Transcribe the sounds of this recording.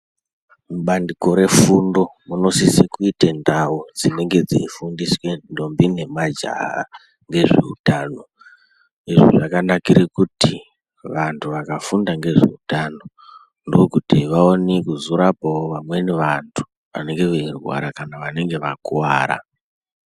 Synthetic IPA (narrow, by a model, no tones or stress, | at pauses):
muɓandiko̞ɾe̞fundo̞muno̞sisekuitendaud͡zine̞ŋɡe̞d͡zḭifundiswe̞ndo̞mbine̞mad͡ʒa̰a̰ | ŋɡe̞ʐe̞̰ṵtaːno̞ | iʐḭʐakanakiɾikuti | ʋantʰuʋakafundaŋɡe̞ʐe̞̰utano̞ | ndookutiʋaonikuzuɾapaoʋamwe̞neʋantʰu̥ | ʋa̰ne̞ŋɡe̞ʋeirwa̰ɾakanaʋane̞ŋɡe̞ʋakuwaːɾa̰